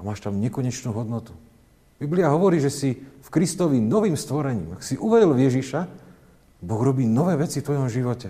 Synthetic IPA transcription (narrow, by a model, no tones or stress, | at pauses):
amaːʃt̪amɲɛkɔɲɛt͡ʃnuːɦɔd̪nɔt̪u̥ | b̥ibliaɦɔʋɔɾiːʒɛsifkɾist̪ɔʋinɔʋiːmst̪ʋɔɾɛɲḭːmaksiʔuʋɛdɔlvjɛʒiʃa | bɔɣɾɔbiːnɔʋɛːʋɛt͡sift̪ʋɔjɔmʒiʋɔcɛ